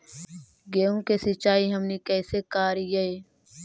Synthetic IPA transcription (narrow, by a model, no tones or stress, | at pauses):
ɡeːõːkeːsɪt͡ʃaːiːɦəmniːkɛːseːkaːɾijeeː